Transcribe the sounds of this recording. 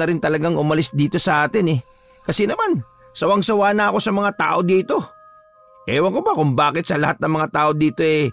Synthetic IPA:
nɐɾɪnt̪ɐlɐɡaŋʔʊmɐlɪsd̪iːt̪o̞sɐʔaːt̪ɪnɛ | kɐsɛnɐman | sɐwɐŋsɐwaːnaʔɐko̞sɐmɐŋat̪a̰ːʔo̞d̪iːt̪o̞ | ʔɛːwɐŋkʊbɐkʊŋbaːkɪt̪̚sɐlɐhat̪̚nɐŋmɐŋat̪aːʔo̞d̪iːt̪o̞ʔɛ

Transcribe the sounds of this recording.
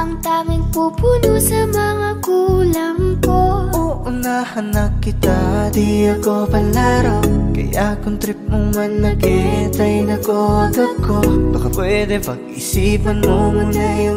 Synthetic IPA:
ʔɐŋt̪amɪŋpupunosɐmɐŋaɡulɐŋkoʔʊnahɐnɐkːɪt̪ad̪iɐkopɐlaːɾokɐ̰jakʊnt̪ɾip̚mʊŋɐnːɐkɛt̪ɐjnɐkod̪ɐkːonɐkɐpwɛd̪ɛpɐɡisiːpɐnmomɐnajʊŋ

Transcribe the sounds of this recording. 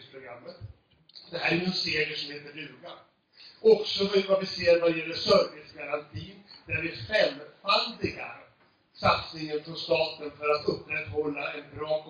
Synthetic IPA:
spʰɾʊɡɾamːət̪ | d̪ɛɦæːɾɛjʉnseːɾɪəʂɔmheːt̪əɾd̪ʉ̟ːɡa | ɔksɔvvavɪseːɾvad̪ɛjɛlːəʂœɾvɪsɡaɾant̪ʰiːnd̪̥æɾvɪɧɛmːfald̪ɪɡa̰ɾ | sat̪snɪŋənfɾɔnst̪ɑːt̪ənfœɾat̪ɵpːɾɛt̪hɔlːaʔɛnbɾɑːkʰ

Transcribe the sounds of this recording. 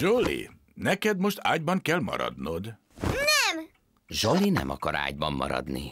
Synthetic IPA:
ʒolḭ | nɛkɛd̪mo̞ʃt̪ʰaːɟbɒŋkɛlmɒ̰ɾɒ̰d̪nod̪ | nɛm | ʒolinɛmʔɒkɒɾa̰ːɟbɒmːɒɾɒd̪ni

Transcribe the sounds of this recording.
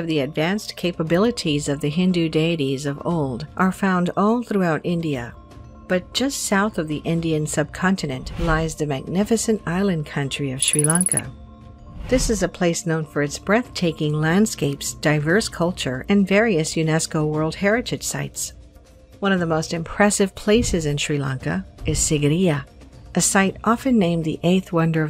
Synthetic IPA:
ʌvðiɨdvæ̃nskʰeɪpəbɪlˠəɾizʌvðɨɦɪ̃ndʉdeɪɨɾizʌvo̰ʊlˠdʔə˞fãʊ̃ndɔlˠθɹʉaʊɾɪ̃ndiɨ̰ | b̥ʌt̚d̥ʒ̥ʌstsaʊθʌvðiʔɪ̃ndiɨ̃nsʌb̚kʰɑ̃ntʰɨnɨ̃nʔlaɪzðɨmæɡ̚nɪfɨsɨ̃ntaɪlˠɨ̃nkʰʌ̃nt͡ʃɹ̥iʌv̥ʃɹilɑ̃ŋkʰɨ̰ | ðɪsɨzɨpʰl̥eɪsnõʊ̃nfə˞ɨtsb̥ɹɛθtʰeɪkɪ̃ŋlæ̃nd̥skeɪpsd̥aɪvɜ˞skʰʌlˠt͡ʃə˞ɨ̃nvɛɹiɨsjʉnɛskoʊwɜ˞lˠd̚hɛɹɨɾɨd̥ʒ̥sa̰ɪts | wʌ̃ñʌvðəmoʊstɨ̃mpʰɹ̥ɛsɨv̥pʰl̥eɪsɨzɨ̃nʃɹ̥ilɑ̃ŋkɨ̰ɨz̥sɪɡɨɾiɨʔɨsaɪɾʔɑfɨ̃nːẽɪ̃mðiʔeɪθwʌ̃ndə˞

